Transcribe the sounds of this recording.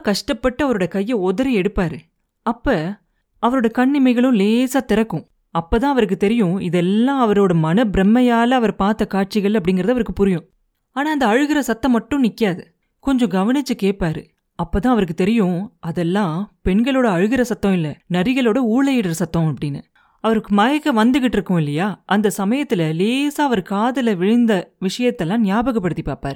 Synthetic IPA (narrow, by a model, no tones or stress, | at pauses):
kɐʂʈɐpːɐʈːɐɐʋɐɾoːɽɐkɐjːɐɔðɐɾɐɛɽɯpːaːɾɯ | ɐpːɐ | ɐʋɐɾoːɽɐkɐɳːɪmɐɪɣɐɭʊ̃leːsaːt̪ɪɾɐkːʊ̃ | ɐpːɐːt̪ãːɐʋɐɾɯkːɯt̪ɛɾɪjʊ̃ɪðɛlːãːɐʋɐɾoːɽɐmɐnɐbɪɾɛmːɐjaːlɐɐʋɐɾpaːɾt̪ːɐkaːʈ̚t͡ʃɪɣɐɭɐp̬ːɐɽɪŋɡɪɾɐðɯɐʋɐɾɯkːɯpʊɾɪjʊ̃ | aːnaːɐnd̪ɐɐɻɯɣɪɾɐsɐt̪ːɐ̃mːɐʈːʊ̃nɪkːɪjaːðɯ | kɔɲd͡ʒɔ̃ɡɐʋɐnɪt͡ʃːɯkeːʈ̚paːɾɯ | ɐpːoːt̪ãːɐʋɐɾɯk̬ːɯt̪ɛɾɪjʊ̃ɐðɛlːãːpɛɳɡɐɭoːɽɐɐɻɯɣɪɾɐsɐt̪ːɐ̃ɪlːɐnɐɾɪɣɐɭoːɽɐuːɭɐjɪɽɐɾsɐt̪ːõɐpːɐɽɪnːɯ | ɐʋɐɾɯkːɯmɐjɐkːɐʋɐnd̪ɯɣɪʈːɪɾɯkːʊ̃ɪlːɐjaːʔɐnd̪ɐsɐmɐjɐt̪ːɪlɐleːsaːɐʋɐɾkaːðɐlɐʋɪɻɪnd̪ɐʋɪʂɐjɐt̪ːɛlːãːnɪjaːbɐɣɐpːɐɽɯt̪ːipaːpaːɾɯ